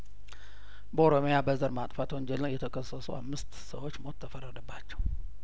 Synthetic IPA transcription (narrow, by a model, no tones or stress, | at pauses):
bəoɾo̞mijabəzəɾmat̪ʼfat̪oɲd͡ʒɛlɨnjɛt̪ʰəkʰəsːəsua̰mːɨst̪səwo̞t͡ʃːmo̞t̪ʰːəfərːəd̪əbːat͡ʃːɛw